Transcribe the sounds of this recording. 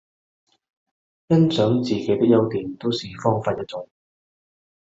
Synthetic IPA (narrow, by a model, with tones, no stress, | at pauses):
jɐ˥nt͡sœː˨˥ŋt͡siː˨ke˨˥jt̪ɪ˥k̚jɐ˥wt̪iː˨nt̪o˥wsiː˨fɔː˥ŋfaː˧njɐ˥t͡sʊ˨˥ŋ